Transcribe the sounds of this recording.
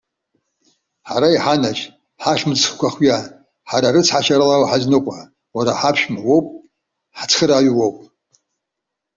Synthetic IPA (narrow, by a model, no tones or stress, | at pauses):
ħaɾaiħanat͡ʃ | ħaʃmɨt͡sʰχkʷʰaχja | ħaɾaɾɨt͡sʰħaʃaɾalawħaznɨqʷʼa | waɾaħapʰʃmawowpʼ | ħat͡sʰχəɾaɥwowpʼ